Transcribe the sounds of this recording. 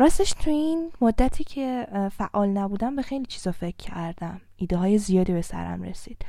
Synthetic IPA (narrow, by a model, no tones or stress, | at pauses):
ɾɒːst̪eʃt̪ʰuinmod̪ːæt̪ʰiːcʰe̞fæʔːɒːlnæbuːd̪æmbe̞xe̞jliːt͡ʃʰiːz̥ɒfe̞cʰːæɾd̪æm | iːd̪eɦɒːje̞zijɒːd̪iːbe̞sæ̰ɾæ̰mɾḛsiːd̪̥